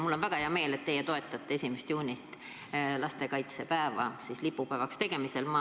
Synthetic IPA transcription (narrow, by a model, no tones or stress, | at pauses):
mulːo̞nvæɡ̥ɑheɑme̞ːlet̪ːe̞jet̪o̞e̞t̪ːˑɑt̪ːe̞esʲimest̪juːnʲit̪ˑ | lɑst̪e̞kɑjt̪sepæevɑ̰sislipːupæːvɑkst̪e̞ɡ̥e̞mise̞lmɑ